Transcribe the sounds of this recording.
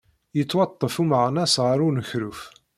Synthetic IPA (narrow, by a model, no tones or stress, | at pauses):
jət͡sːwɑt̪ˤːəfuməʕnɑsʁəɾʊnəçɾuf